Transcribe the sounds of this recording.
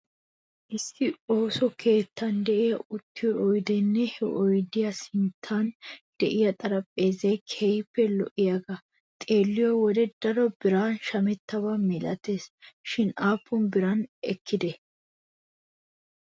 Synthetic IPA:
ʔɪsːɪo̞ːsɔkʰe̞ːt̪ʰːɐnd̪ɛʔɪjɐʊt̪ːɪjɔʔɔjd̪ɛnːɛhɛʔɔjd̪ɪjɐsɪnt̪ʰːand̪̥ɛʔɪjɐt̪ʼɐɾɐpʼːe̞ːzɛjkʰɛjpːɛlɔ̰ʔɪjɐɡɐ | t̪ʼeːlːɪjɔwɔd̪ɛd̪̥ɐɾɔbɪɾaːnʃɐmɛt̪ːɐβamɪlɐt̪eːsʃɪnaːpʰːʊnbɪɾɐnʔɛ̰kʰːɪd̪ɛ

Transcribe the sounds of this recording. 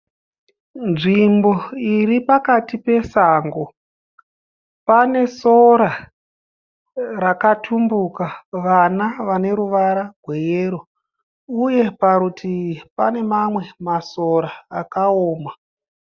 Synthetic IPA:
nʐimbo̞iripakatipe̞saŋɡo̞ | pane̞so̞ɾa | rakatʰumbukaʋanaʋane̞ɾuʋaɾaɡʱwe̞jeːɾo | uje̞paɾutipane̞mamwe̞masoɾaːkaoːma

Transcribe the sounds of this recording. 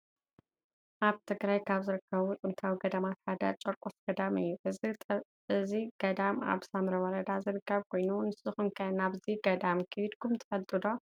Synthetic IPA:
ʔaβt̪ʰɨɡɾajkʰaβzɨɾɨkːɐβut͡sʼɨnt̪ʰawiɡɐd̪ɐmat̪ħad̪ɐ̰t͡ʃʼɐɾkʼofɡ̥ɐd̪amɨjːuʔɨ | ʔɨziɡ̥ɐd̪ama̰βsamɾɐwɐɾɐd̪azɨɾɨkʰːɐβkʰo̞jnunɨsɨxɨnkʰajnaβziɡɐd̪amkʰɨwid̪kʰumt̪ʰɐ̥fɐlt̪ʼɨd̪o̞

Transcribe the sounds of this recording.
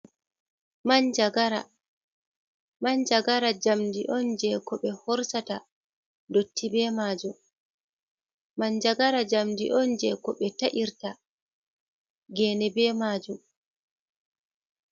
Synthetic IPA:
mand͡ʒaɡaɾa | mand͡ʒaɡaɾad͡ʒamdiʔɔnd͡ʒɛkɔɓɛhɔɾsata | dotʰːibɛmaːd͡ʒu | mand͡ʒaaɾad͡ʒamdḭʔɔnd͡ʒɛkɔɓɛtaʔiɾta | ɡɛːnɛbɛmaːd͡ʒum

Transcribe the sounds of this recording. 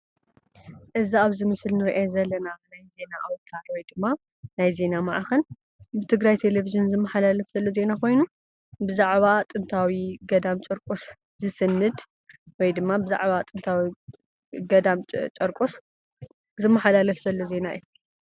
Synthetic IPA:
ʔɨziaβzɨmɨsɨlnɨɾiʔazɐlːɐnanajze̞naʔawt̪ʰaɾwɔjd̪ɨmːa | najze̞namaʕaxɐn | bɨt̪ʰɨɡɾajt̪ʰe̞leviʒɨnzɨmːɐħalalɐfz̥ɐlːo̞ze̞nakʰo̞jnu | bɨzaʕβat̪ʼɨnt̪ʰawiɡɐd̪amt͡ʃʼɐɾkʼos | zɨsɨnːɨd̪ | wɔjd̪ɨmːabɨza̰ʕβat̪ʼɨnt̪ʰawi | ɡɐd̪amt͡ʃʼɐɾkʼos | zɨmːɐħalalɐfz̥ɐlːo̞ze̞naɨ̰ju

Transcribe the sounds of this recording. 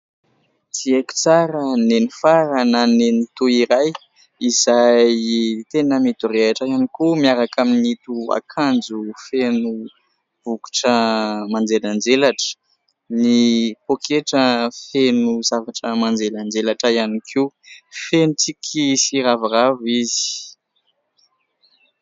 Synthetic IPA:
t̪ieku̥t͡saɾənenifaɾənanenit̪uiɾaj | izajt̪enəmit̪ureaʈ͡ʂajanikumiaɾakʰaminit̪ua̰kʰand͡zufenu | v̥uku̥ʈ͡ʂəmand͡zeland͡zelaʈ͡ʂə̥ | nipokʰeʈ͡ʂəfenuzavaʈ͡ʂəmand͡zeland͡zelaʈ͡ʂəjanikʰifenut͡sikʰisiɾavaravizi̥

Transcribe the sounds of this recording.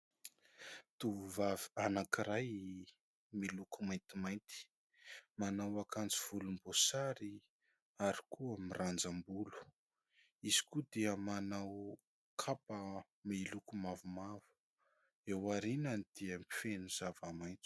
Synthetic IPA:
t̪uvuvavianakiɾaj | milukumajnt̪imajnt̪i̥ | manawakant͡siv̥ulumbosaɾi | aɾikʰuamirand͡zambulu̥ | iz̥i̥kud̪iəmanaw | kʰapə | milukumavumavu̥ | ewaɾinanid̪̥iəmifenuz̥avamajt̪i̥

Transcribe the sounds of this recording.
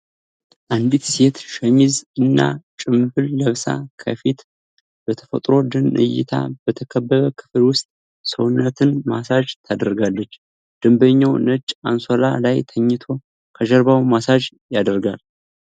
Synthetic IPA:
ʔand̪it̪se̞t̪ʃəmizɨnːa̰t͡ʃʼɨmbɨlːəβsa̰kʰə̰fit̪ | b̥ət̪ʰə̥fə̰t̪ʼɾo̞d̪ɨnʔɨ̰jɪ̰t̪ʰa̰b̥ət̪ʰəkʰəbːəβəkʰɨ̥fɨlwʊst̪ʼ | səwʊnːət̪ʰɨnmasad͡ʒt̪ʰad̪əɾɡalːət͡ʃː | d̪̥ɨmbəɲːawnət͡ʃʼːansola̰lajt̪ʰəɲːɪt̪ʰo̞ | kʰəʒəɾβawmasad͡ʒ | jad̪əɾɡal

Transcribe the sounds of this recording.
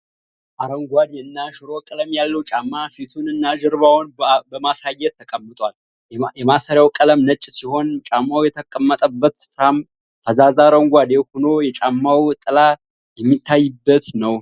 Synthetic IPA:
ʔaɾəŋɡʷad̪ɛɨnːaʃɨɾo̞kʼələmjalːəwt͡ʃʼamːafit̪ʰunɨnːaʒəɾβawnbəmasajːɛt̪ʰːəkʼəmːɨt̪ʼwal | jɛmasəɾjawkʼələmnət͡ʃʼːsiho̞nt͡ʃʼamːawjɛt̪ʰəkʼəmːət̪ʼəbːət̪sɨ̥fɾam | fəzazaɾəŋɡʷad̪ehonojɛt͡ʃʼamːawt̪ʼɨla | jɛmːit̪ʰːajːɨbːət̪nəw

